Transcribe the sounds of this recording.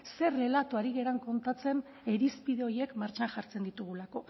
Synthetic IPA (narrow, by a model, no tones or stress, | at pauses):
se̞re̞lat̪uaɾiɣe̞ɾaŋko̞nt̪at͡se̞n | e̞ɾispiðe̞o̞je̞kmaɾt͡ʃanʝaɾt͡se̞nd̪it̪uɣ̞ulako̞